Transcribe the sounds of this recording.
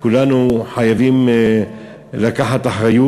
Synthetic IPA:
kulanuħajavim | lakaħat̪aħʁaju

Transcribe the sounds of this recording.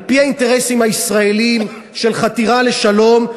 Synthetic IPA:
pihainte̞ʁesimhaisʁae̞lim | ʃe̞lχat̪iʁale̞ʃalo̞m

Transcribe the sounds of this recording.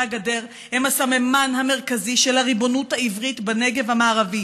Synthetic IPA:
aɡade̞ʁ | hemasamemanɦame̞ʁkaziʃelhaʁibo̞nuthaivʁitbeneɡe̞vhamaːʁavi

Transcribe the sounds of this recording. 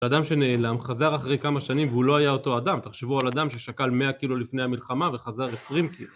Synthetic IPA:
ad̪amʃe̞ne̞ːlamχazaʁaχʁe̞jkamaʃanimveulo̞ajao̞to̞ad̪amt̪aχʃevualad̪amʃeʃakalme̞akilulifne̞jamilχamave̞χazaʁe̞sʁimkilu

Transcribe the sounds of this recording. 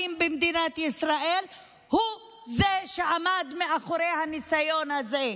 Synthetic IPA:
imbemd̪inat̪isɾaʔel | hu | zeʃeʕamad̪meʔaχoɾejhanisajo̞nhaze

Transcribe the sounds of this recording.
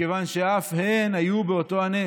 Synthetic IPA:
evanʃe̞afhenajubeot̪o̞ane

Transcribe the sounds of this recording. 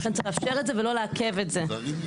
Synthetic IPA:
fɛntt͡siχlafʃeʁetzevelo̞leakevetze

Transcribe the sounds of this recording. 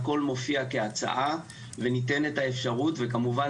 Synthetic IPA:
ko̞lmo̞fiakeat͡sa̰ʔa | ve̞nit̬e̞netaefʃaʁutvekamuva

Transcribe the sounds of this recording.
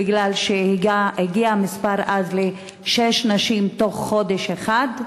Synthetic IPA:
iɡlalʃehiɡiamispaʁʔazle | ʃeʃnaʃimto̞χːo̞deʃeχad

